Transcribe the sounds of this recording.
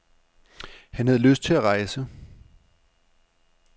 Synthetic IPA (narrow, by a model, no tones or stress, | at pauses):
hænhæðˠəløsd̥̚t͡sʰe̝læʁɑ̈ɪsə